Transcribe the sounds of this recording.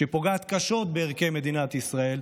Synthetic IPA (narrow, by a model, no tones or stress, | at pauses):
ʃepo̞ɡaːt̪kaʃo̞t̪̚beːʁke̞me̞d̪inat̪isʁae̞l